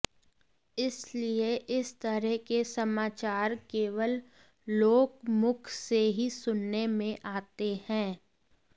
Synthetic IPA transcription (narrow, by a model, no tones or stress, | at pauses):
ɪslieʔɪst̪əɾɛɦkesəmaːt͡ʃaːɾkeːʋəlː | oːkmʊkʰseɦisʊnːemẽʔaːt̪ehɛ̃ː